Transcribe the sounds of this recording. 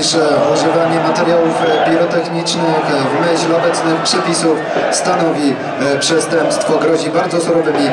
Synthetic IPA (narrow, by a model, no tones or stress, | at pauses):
ʂɛuʐɘvaɲɛmat̪ɛɾjawufpʲiɾɔt̪ɛxɲit͡ʂnɘxvmɘʑlɔbɛt̪snɘxpʂɛpʲisufst̪anɔvʲi | pʂɛst̪ɛmpst̪fɔɡɾɔʑibaɾd̪zɔsuɾɔvɘmʲi